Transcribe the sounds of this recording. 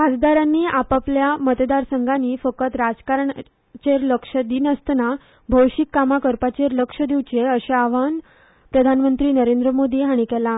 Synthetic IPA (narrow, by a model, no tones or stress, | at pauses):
ɦad͡zd̪aɾãnːiːʔapapljamət̪d̪aɾsəŋɡʱaniːfəkət̪ɾad͡zkaɾɳ | t͡ɕeɾləkʂəd̪inəst̪na | bʱəwɕikːamakəɾpat͡ɕeɾləkʂəd̪iʋt͡ɕeəɕeaʋan | pɾəd̪ʱanmənt̪ɾiːnəɾend̪ɾəmod̪iːɦaɽ̃ikɛla